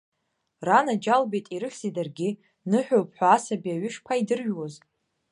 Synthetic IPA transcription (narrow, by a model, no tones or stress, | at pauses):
ranad͡ʒalbejtʼiɾɨχʲz̥idarɡʲɪ | nɨħᶣopʼħʷaːsabiaɥʏʂpʰaidɨrɥwoz